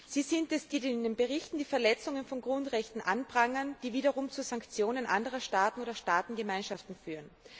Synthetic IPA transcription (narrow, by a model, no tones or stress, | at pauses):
z̥iːzɪntɛsd̥iːdɪdenbəʁɪçtn̩diːfɛɐlɛt͡sʊŋənfɔnɡʁʊntʁɛçtn̩ʔanbʁaŋənd̥iːviːɾɐʁʊmt͡suzaŋkt͡sjoːnənʔandəʁɐʃtaːtn̩oːɾɐʃtaːtn̩ɡəmaɪnʃaftn̩fyːʁən